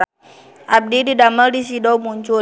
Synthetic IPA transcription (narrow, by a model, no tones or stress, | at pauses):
ʔab̚dididaməldis̬idɔwmuɲt͡ʃʊ